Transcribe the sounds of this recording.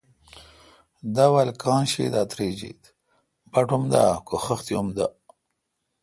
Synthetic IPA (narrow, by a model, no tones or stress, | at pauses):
d̪awalkɑ̃ːnʃḭd̪at̪ɾed͡ʒḭt̪ | baʈumd̪a̰koxəxt̪iumd̪a